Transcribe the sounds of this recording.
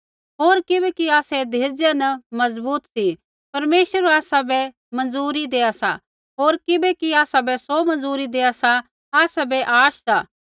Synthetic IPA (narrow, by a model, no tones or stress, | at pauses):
ɦoːɾkɪbɛkiaːsɛd̪ʱeːɾd͡ʒanɐmɐzbuːt̪si | pɐɾmeːʃəɾaːsabɛ | mɐ̃nzuːɾid̪eːasa̰ | ɦoːɾkɪbɛkiaːsabɛsomɐ̃nzuːɾid̪eːasa | aːsabɛʔaːʃsaː